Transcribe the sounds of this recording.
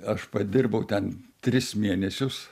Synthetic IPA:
ɐʃpɐd̪ʲɪrbɐʊt̪ʲɛnt̪ʲɾʲɪsmʲiɛnʲɛsʲʊs

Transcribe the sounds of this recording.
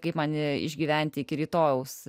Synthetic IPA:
kɐɪpmɐnʲɪɪ̰ʒʲɡʲiːʋʲæˑnʲt̪ʲɪɪkʲɪɾʲiːt̪oːjɛʊs

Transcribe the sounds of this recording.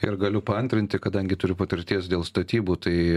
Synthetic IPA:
ɪɾɡɐlʲʊpɐnʲt̪ʲɾʲɪnʲt̪ʲɪkɐd̪ɐŋʲɡʲɪt̪ʊɾʲʊpɐt̪ʲɪɾʲt̪ʲiɛsd̪ʲeːlˠst̪ɐt̪ʲiːbuːt̪ɐɪ

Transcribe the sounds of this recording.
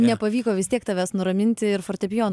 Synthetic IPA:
nʲɛpɐʋʲiːkoːʋʲɪst̪ʲiɛkt̪ɐʋʲæːsnʊɾɐmʲɪnʲt̪ʲɪɪɾforʲt̪ʲɛpʲjoːn

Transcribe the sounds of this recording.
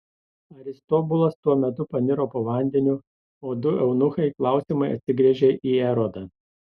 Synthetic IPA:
ɐɾʲɪst̪ɔbʊlˠɐst̪uɔmʲɛt̪ʊpɐnʲɪɾoːpoːʋɐˑnʲd̪ʲɛnʲʊ | oːd̪ʊɛʊnʊxɐɪklˠɑˑʊsʲimɐɪɐ̰t̪ʲsʲɪɡɾʲiɛʒʲeːʔiːɛɾɔd̪ɐ

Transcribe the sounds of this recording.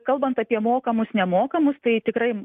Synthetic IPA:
kɐlˠbɐnt̪ɐpʲiɛmoːkɐmʊsnʲɛmoːkɐmʊst̪ɐɪt̪ʲɪkɾɐɪ

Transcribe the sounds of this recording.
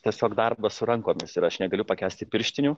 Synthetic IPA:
t̪ʲiɛsʲoːkd̪ɐrbɐsʊɾɐŋkoːmʲɪsɪɾɐʃnʲɛɡɐlʲʊpɐkʲæːsʲt̪ʲɪpʲɪɾʲʃʲt̪ʲɪnʲʊː

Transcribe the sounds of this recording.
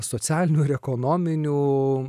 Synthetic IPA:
sosʲæːlʲɪnʲuːɪɾɛkoːnoːmʲɪnʲuː

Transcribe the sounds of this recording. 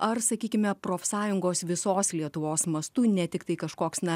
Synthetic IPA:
ɐrsɐkʲiːkʲɪmʲɛpɾoːfsɑːjʊŋɡoːsʋʲɪsoːslʲiɛt̪ʊʋoːsmɐst̪uːnʲɛt̪ʲɪkt̪ɐɪkɐʃkoːksnɐ

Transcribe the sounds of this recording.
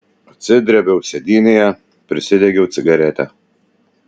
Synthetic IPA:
ɔt̪sʲɪd̪ʲɾʲɛbʲɛʊsʲɛd̪ʲiːnʲejɛ | pʲɾʲɪsʲɪd̪ʲɛɡʲɛʊt̪sʲɪɡɐɾʲɛt̪ʲɛ

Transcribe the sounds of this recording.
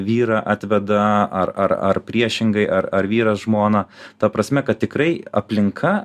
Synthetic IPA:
ʋʲiːɾɐʔɑːt̪ʲʋʲɛd̪ɐɐrɐ̰rɐ̰rpʲɾʲiɛʃʲɪŋɡɐɪʔɐɾɐɾʋʲiːɾɐsʒmoːnɐt̪ɐpɾɐsʲmʲɛkɐt̪̚t̪ʲɪkɾɐɪɐ̰pʲlʲɪŋkʰɐ

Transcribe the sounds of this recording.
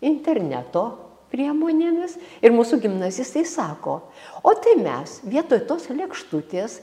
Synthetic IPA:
ɪnʲt̪ʲɛɾʲnʲæ̰ːt̪oː | pʲɾʲiɛmoːnʲeːmʲɪsɪɾmuːsʊɡʲɪmnɑzʲɪst̪ɐɪsɑːko̰ː | oːt̪ɐɪmʲɛ̰sʋʲiɛt̪oːjt̪oːslʲɛkʃt̪ut̪ʲeːs

